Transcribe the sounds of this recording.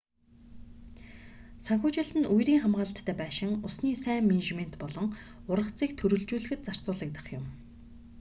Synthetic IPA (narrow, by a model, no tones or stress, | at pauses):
saŋxʲʊːt͡ɕɪ̆ɮt̪ɘ̆nujɾiːŋχamɢaːɮt̪ʰːæːpæːʃɪ̆ŋʊsniːsæːŋmeneʃmen̥t̪pɔɮɞ̆ŋʊrʁə̆χʰt͡siːk̚t̪ʰɵɾɵ̆ɮt͡ɕuːɮɘ̆xɘ̆t̪t͡sar̥t͡sʊːɮĭːk̚t̪ə̥̆χjʊm